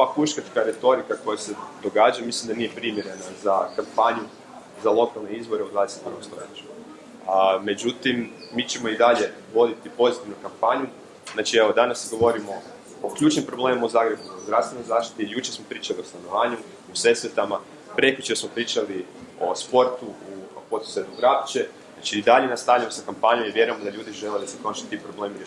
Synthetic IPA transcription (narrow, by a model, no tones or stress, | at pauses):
oʋakuʃkat͡ʃ̪kaɾe̞t̪o̞ɾikako̞jased̪o̞ɡaːd͡ʒamislimd̪anijepɾimjeɾe̞nazakampaɲu | zalˠo̞kalˠneizbo̞ɾeod̪ʋaːd̪eset̪̚pɾʋost̪oet͡ʃu̥ | me̞d͡ʒut̪imːit͡ɕe̞mo̞id̪aʎe̞ | ʋo̞d̪it̪ipo̞zit̪iʋnukampaɲu | znaːt͡ʃieʋo̞d̪anasɡo̞ʋo̞ɾimo̞ | okʎuːt͡ʃnimpɾo̞blˠe̞ːmmaozaːɡɾe̞buozd̪ɾast̪ʋe̞no̞jzaːʃt̪i̥t̪ijut͡ʃeɾsmo̞pɾiːt͡ʃaliost̪ano̞ʋaːɲu | use̞sʋet̪ama | pɾe̞kʎʲut͡ʃesmo̞pɾiːt͡ʃalio̞̰spo̞ɾt̪uupot̪u̥sed̪noɡɾapt͡ʃe̞zat͡ʃiid̪aʎenast̪aʋʎamosakampaɲomiʋje̞ɾuemod̪aʎuːd̪iʒeled̪asekɾonʃi̥t̪ːipɾoble̞ːmi